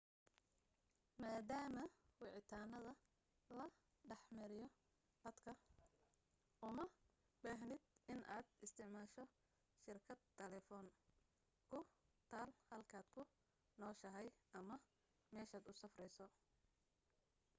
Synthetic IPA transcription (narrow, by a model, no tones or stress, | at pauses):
maːd̪aːmɐwɪʕɪt̪ʰaːnɐðɐ | lɐ | ɖɑħmɐɾɪjɔ | d̪ɐd̪kʰɐ | ʔʊmɐ | baːɦnɪd̪ɪnʔaːd̪ɪst̪ʰɪʕmaːʃɔ | ʃɪrkʰɐd̪ʰɛlɛːfɔːn | kʰʊt̪ʰaːlhɐlkʰaːd̪kʰʊ | nɔːʃɐɦɛjɐmɐ | mɛːʃaːd̪ʊsɐfrɛjsɔ